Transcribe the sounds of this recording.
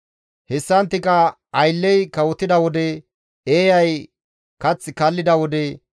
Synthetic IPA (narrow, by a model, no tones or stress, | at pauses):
hɛsːɐnt̪ːɪkɐ | ɐjlːɛjkɐwɔt̪ːɪd̪ɐwɔd̪ɛ | eːjɐj | kɐt͡sːɪkɐlːɪd̪ɐwɔd̪ɛ